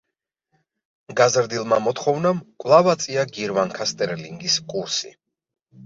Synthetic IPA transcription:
ɡazɾd̪ilˠmamɔt̪χɔvnamkʼvlˠavat̪sʼiaɡiɾmaŋkʰast̪ʼɛɾliŋɡiskʼuɾsḭ

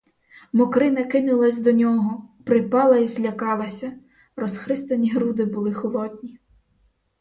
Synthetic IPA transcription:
mɔkɾɪnɐkɪnʊlˠɐsʲd̪ɔnʲɔɦɔpɾɪpɑlˠɐizʲlʲɐkɑlˠɐsʲɐ | rɔsxɾɪst̪ɐnʲiɦɾud̪ɪbʊlˠɪxɔlˠɔd̪ʲnʲi

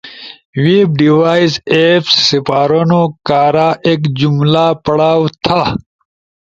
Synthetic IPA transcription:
wip̚ɖiwaːizepsːipaːɾonokaːɾaʔeːkd͡ʑumlaːpɐɽaːwt̪ʰa

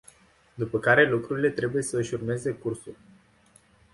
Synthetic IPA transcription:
d̪upəkaɾe̞lukɾuɾile̞t̪ɾe̞buje̞səɨʃurme̞ze̞kursulʲ

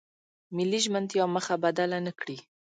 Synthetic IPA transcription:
mɪliʒmənd̪jɑməxabad̪alanəkɽi

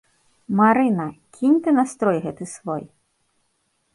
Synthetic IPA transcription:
maɾɨnɐkʲʰinʲt̪ɨnast̪ɾɔjɣɛt̪ɨsvɔ̰j

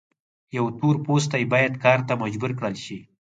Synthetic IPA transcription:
jawt̪oɾpos̬t̪ajbɑjad̪kɑɾt̪amad͡ʒbuɾkɽəlʃi

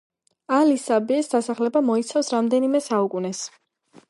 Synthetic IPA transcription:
alisabɛɛsd̪̥asaχlɛbamɔit̪sʰafsɾamd̪ɛnimɛsaukʼunɛs

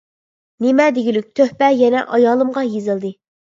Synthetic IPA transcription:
nemɛd̪eɡʲilyk̚ʲt̪ʰøhpɛjɛnɛʔɑjɑːlˠɨmʁɑjezɨlˠd̪ɨ

